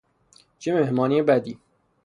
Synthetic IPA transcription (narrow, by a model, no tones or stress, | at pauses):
t͡ʃʰemehmɒːniebæd̪iː